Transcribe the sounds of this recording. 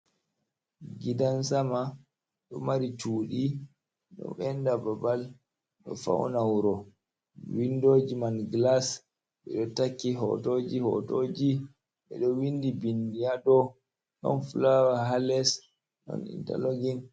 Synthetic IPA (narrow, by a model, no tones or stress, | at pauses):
ɡidansama | ɗɔmaɾit͡ʃuːɗi | ɗɔ̰ɓɛndababal | ɗɔ̰fa̰wnawuɾɔ | windod͡ʒimanɡlas | ɓɛɗɔtakːiɦɔ̰tod͡ʒihɔ̰tod͡ʒi | ɓɛɗɔwindibindijadɔ | ɗɔ̰nfulawaɦalɛs | ɗɔ̰nḭnta̰loɡin